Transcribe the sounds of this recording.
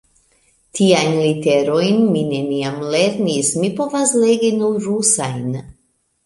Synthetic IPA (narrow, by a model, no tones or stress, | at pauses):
tʰiajnlite̞ɾo̞jnmine̞niamle̞ɾnismipo̞vasleɡinuɾusajn